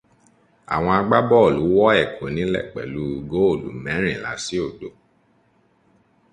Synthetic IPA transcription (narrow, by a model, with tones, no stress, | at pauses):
a̰˨w̃ɔ̃˧a˧ɡ͡ba˦bɔ˦o˨lu˨˦wɔ˦ɛ˦˨kʰo˨˦nĩ˨˦lɛ̰˦˨k͡pɛ̰˨lu˨˦˧ɡo˦o˦˨lṵ˨˦mɛ̃˨˦ɾ̃ĩ˦˨la̰˨˦si˦o˦˨do˨˦